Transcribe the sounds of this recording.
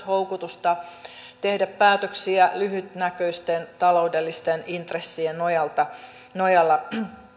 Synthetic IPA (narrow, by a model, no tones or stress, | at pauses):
houkut̪ust̪ɑ | t̪ehdæppæːt̪øksiælyɦyt̪nækøist̪ent̪ɑloudelːist̪enint̪resːienojɑlt̪ɑ | nojɑlːɑ